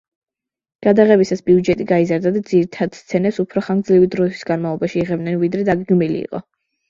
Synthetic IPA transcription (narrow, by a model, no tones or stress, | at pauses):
ɡ̥ad̪aʁɛbisasbiud͡ʒɛt̪ʼiɡaizaɾd̪ad̪ad̪ziɾit̪ʰad̪̥st̪sʰɛnɛsupʰɾɔχaɡd̪zlivid̪ɾɔit̪ʰwi̥sɡanmavlˠɔbaʃiːʁɛb̚nnɛnvid̪ɾɛd̪aɡɛɡmilḭḭːqʼɔ̰